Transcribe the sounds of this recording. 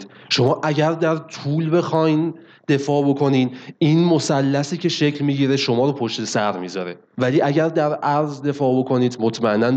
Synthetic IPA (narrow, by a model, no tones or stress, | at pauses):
ʃo̞mɒːʔæɟæɾd̪æɾt̪ʰuːlbe̞xɒːjn | d̪̥e̞fɒːbo̞kʰo̞niːd̪iːnmosælːæsiːcʰe̞ʃe̞cʰlmiːɟiːɾe̞ʃo̞mɒːɾopʰo̞ʃt̪e̞sæɾmiːzɒɾe̞ | væliːʔæɟæɾd̪æɾæɾzd̪e̞fɒːbo̞kʰo̞niːd̪mot̪ʰmæenːæn